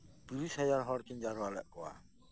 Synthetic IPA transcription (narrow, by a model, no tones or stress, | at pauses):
b̥i̤ɾushɛjaɾɦɔrt͡ʃəɲd͡ʒaɾoalɛʔkoa̰